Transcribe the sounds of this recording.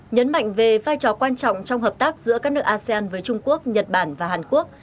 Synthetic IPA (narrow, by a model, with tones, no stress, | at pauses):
ɲə˨˦nma̰˧˨jŋ̟ve˨˩vaː˧jt͡ɕɔ˨˩kwaː˧nt͡ɕɔ̰˧˨wŋ͡mt͡ɕɔ˧wŋ͡mɦəː˨˩p̚t̪aː˦˥k̚zɨ̰˧˥əkaː˦˥k̚nɨ˦˥ək̚ʔaː˧si˧aː˧nvəː˨˦jt͡ɕʊ˧ŋ͡mku˦˥ək̚ɲə˨˩t̚ɓaː˧˩nvaː˨˩aː˨˩nku˦˥ək̚